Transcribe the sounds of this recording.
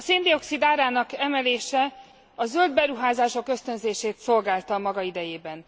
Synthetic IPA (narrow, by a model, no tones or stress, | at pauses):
ɒseːnd̪io̞ksid̪aːɾaːnɒkɛmɛleːʃɛ | ɒzø̞ld̪̚bɛɾuɦaːzaːʃo̞kø̞st̪ø̞nzeːʃeːt̪so̞lɡaːlt̪ɒmɒɡɒid̪ɛjeːbɛn